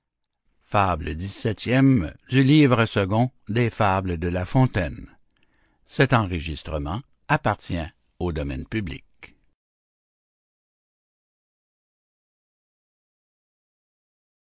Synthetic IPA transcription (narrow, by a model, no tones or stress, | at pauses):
fabləd̪isɛt̪jɛmd̪ylivʁəsəɡɔ̃d̪efabləd̪əlafɔ̃t̪ɛn | sɛt̪ɑ̃ʁəʒist̪ʁəmɑ̃ | apaʁt̪jɛ̃ | od̪ɔmɛ̰npyblḭk